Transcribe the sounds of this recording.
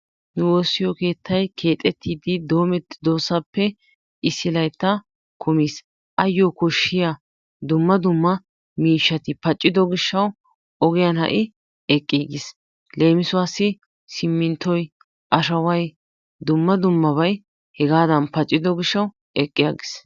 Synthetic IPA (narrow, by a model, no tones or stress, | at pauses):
nʊwoːsːɪjɔke̞ːt̪ʰːɐjkʰe̞ːt̪ʼːɛt̪ːiːd̪ɪd̪o̞ːmɛt̪ːd̪o̞ːsːɐpːɛ | ɪsːɪlɐjt̪ːɐ | kʰʊmis | ʔɐjːɔkɔʃːɪja | d̪ʊmːɐd̪ʊmːɐ | miːʃːɐt̪ɪpɐt͡ʃʼːɪd̪ɔɡɪʃːɐw | ɔɡɪjɐnhɐ̰ʔɪ | ɛkʼːiːɡɪs | le̞ːmɪsʊwaːsːɪ | sɪmːɪnt̪ʰːɔj | ʔɐʃɐwɐj | d̪ʊmːɐd̪ʊmːɐβɐj | hɛɡaːd̪ɐnpɐt͡ʃʼːɪd̪ɔɡɪʃːɐw | ɛkʼːɪja̰ːɡɪs